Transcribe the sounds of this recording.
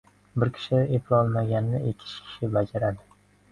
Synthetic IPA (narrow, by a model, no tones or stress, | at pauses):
bɪɾkʲʰɪ̥ʃɪepʰɾɒlˠmaɡʲannɪʔekʲʰɪ̥ʃkʲʰɪ̥ʃɪbad͡ʒaɾad̪ɪ